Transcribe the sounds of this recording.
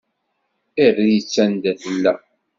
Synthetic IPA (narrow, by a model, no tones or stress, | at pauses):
irːijət͡sːænd̪æθəlːæ̰